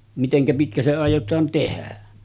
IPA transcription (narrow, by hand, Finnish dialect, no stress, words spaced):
miteŋkæ pitkæ se ɑˑijˑotɑːn tehæ